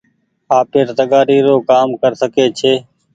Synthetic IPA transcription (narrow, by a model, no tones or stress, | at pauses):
aːpeɾt̪əɠaːɾiːɾoːkaːmkəɾsəkeːt͡ʃʰeː